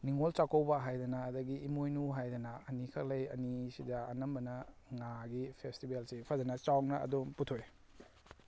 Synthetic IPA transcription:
niŋolt͡ʃakowbɐɦajdɐnɐːdɐɡiːmojnuɦajdɐnɐɐnikʰɐk̚lɐjɐnisidaɐnɐmbɐnɐŋaɡipʰestibelsipʰɐzɐnɐt͡ʃawnɐɐ̰domputʰoj

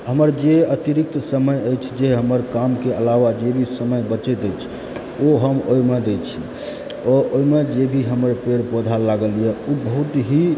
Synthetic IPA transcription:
ɦəməɾd͡ʒeət̪iɾik̚t̪səməjəjt͡ʃʰd͡ʒeɦəməɾkamkeəlaʋad͡ʒebʱisəməjbət͡ʃet̪əjt͡ʃʰ | oɦəmojmed̪et͡ʃʰi | ɔojmed͡ʒebʱiɦəməɾpeɾpod̪ʱalaɡəlijɛubəɦut̪ɦi

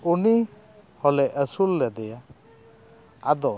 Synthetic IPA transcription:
uni | hɔlɛʔəsulːɛd̪ɛja | ad̪ɔ

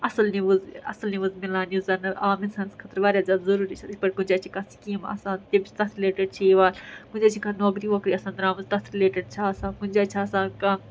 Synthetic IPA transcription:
ɐsɐlniʋuzɐ̰səlniʋuzmilaːnjuːzɐnɐʔaːminsɐːnskʰɐt̪əɾʋaːɾʲjaːzʲaːd̪zɐɾuːɾiːt͡ʃʰɐd̪ikʲpɐʈkʊ̃nd͡ʒʲaːt͡ʃʰikɐsi̥kiːmɐ̰ːsãːnt̪ebit͡ʃʰt̪ɐt̪ʰɾɪleːʈəɖ̚t͡ʃʰiiʋaːlkʊ̃nʲd͡ʒaːt͡ʃʰikɐnoːkɾiːʋoːkɾiːɐsaːnɾaːmɐzt̪ɐt̪ʰɾileːʈəɖt͡ʃʰaɐsãːnkʊ̃nʲd͡ʒaːt͡ʃʰaɐsãːnkɐ

